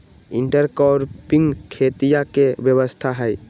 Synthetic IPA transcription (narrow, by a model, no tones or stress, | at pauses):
iɳʈaɾkɔɾpiŋkʰet̪ijakebɛβost̪ʰaɦɔj